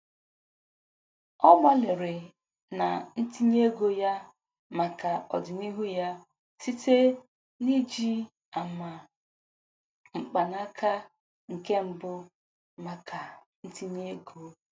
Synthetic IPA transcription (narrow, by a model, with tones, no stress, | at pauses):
ɔ˦mɔ˦lɪ˨ɾɪ˨ | na˨n̩˦ti˦ɲ˦e˦ɡo˦ja˦ | ma˨ka˨ɔ˨dɪ˨ni˦ɦu˦ja˦ | si˦te˦ | ni˦d͡ʒi˦ | a˨ma˨ | ŋ͡m̩˨k͡pa˨na˦kʰa˦ | ŋ̩˨ke˦m̩˦bʊ˦ | ma˨kʰa˨n̩˦ti˦ɲe˦ɡo˦